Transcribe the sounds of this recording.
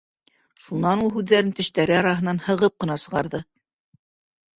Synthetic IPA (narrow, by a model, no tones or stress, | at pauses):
ʃunɑnulˠɦʉðːæɾɘnt̪ɘ̆ʃt̪æɾɘɑɾɑɦɤ̆nɑnhɤ̆ʁɤp̚qɤ̆nɑsɤ̆ʁɑɾðɤ